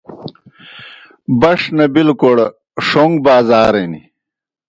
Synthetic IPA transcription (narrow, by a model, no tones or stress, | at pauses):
bɐʂnɐbilkoɽ | ʂoŋɡbaːzaːɾenḭ